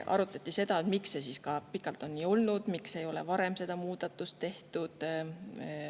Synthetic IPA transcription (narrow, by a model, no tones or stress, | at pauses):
ʔɑ̰ɾut̪ːˑɑt̪ʲːˑise̞d̪̥ɑt̪mikse̞siːskɑpikːˑɑlt̪ˑo̞nːiːo̞lnud̪̥mikse̞jo̞le̞̰vɑɾe̞mse̞d̪̥ɑmuːd̪̥ɑt̪ːˑust̪ːe̞ht̪ud̪̥